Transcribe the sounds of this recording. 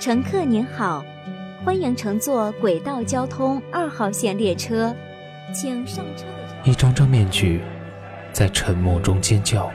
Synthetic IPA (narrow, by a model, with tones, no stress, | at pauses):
ʈ͡ʂʰɤ˧˥ŋkʰɤ˥˩ni˧˥nxɑ˨˩˦ʊ | xwa˥nji˧˥ŋʈ͡ʂʰɤ˧˥ŋt͡swɔ˥˩kwe˨˩ɪt̪ɑ˥˩ʊt͡ɕjɑ˥ʊt̪ʰʊ˥ŋa˥˧xɑ˥˩ʊɕjɛ˥˩nljɛ˥˩ʈ͡ʂʰɤ˥ | t͡ɕʰi˨˩ŋʂɑ˥˩ŋʈ͡ʂʰɤ˥ | i˥˩ʈ͡ʂɑ˥ŋʈ͡ʂɑ˥ŋmjɛ˥˧nt͡ɕy˥˩ | t͡sa˥˩ɪʈ͡ʂʰə˧˥nmu˥˧ʈ͡ʂʊ˥ŋt͡ɕjɛ˥nt͡ɕjɑ˥˩ʊ